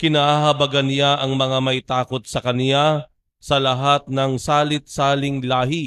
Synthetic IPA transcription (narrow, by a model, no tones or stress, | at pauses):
kɪnaːʔaɦɐbɐɡanɪjaʔɐŋmɐŋamɐʔɪt̪aːko̞t̪̚sɐkɐnɪja | sɐlɐɦat̪̚nɐŋsaːlɪt̪̚saːlɪŋlaːhi